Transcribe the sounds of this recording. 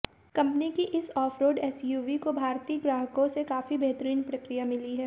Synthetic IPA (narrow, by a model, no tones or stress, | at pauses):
kɐ̃mpnikiʔɪsɔːfʰɾoːɖɛːsjuːʋikobʱaːɾt̪iːəɡɾaːɦəkõsekaːfibeɦt̪əɾiːnpɾɐkɾijamɪliɦɛː